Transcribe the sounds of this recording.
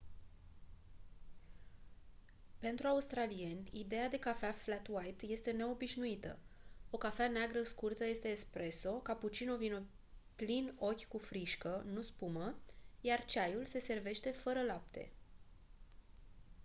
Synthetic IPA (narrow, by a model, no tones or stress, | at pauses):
pe̞nt̪ɾuaust̪ɾalije̞nʲid̪e̞jad̪e̞kafeaflat̪wajt̪je̞st̪e̞ne̞o̞biʃnuit̪ə̰o̞kafeaneaɡɾəskurt̪əje̞st̪e̞ːspɾe̞so̞kaput͡ʃinovino | plino̞kʲkufɾiʃkənuspuməjart͡ʃajulse̞se̞rve̞ʃt̪e̞fəɾəlap̚t̪e̞̰